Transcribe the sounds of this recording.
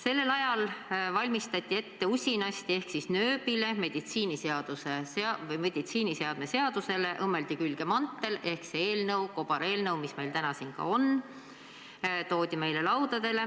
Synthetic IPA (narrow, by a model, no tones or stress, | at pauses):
se̞lːe̞lɑjɑlvɑlʲmist̪ɑt̪ʲːˑie̞t̪ːe̞usʲinɑsʲt̪ie̞hksisnøːbile̞me̞d̪̥it̪siːniseɑd̪̥useseɑvɤjme̞d̪̥it̪siːnise̞ɑd̪̥me̞se̞ɑd̪̥use̞le̞ʔɤmːe̞ld̪ikylɡ̥emɑnt̪ːˑe̞le̞hksee̞ːlnɤwko̞b̥ɑɾe̞ːlnɤwmisme̞jlt̪ænɑsinkɑ̰o̞n | t̪o̞ːd̪̥ʲime̞jle̞lɑwd̪̥ɑd̪̥e̞le̞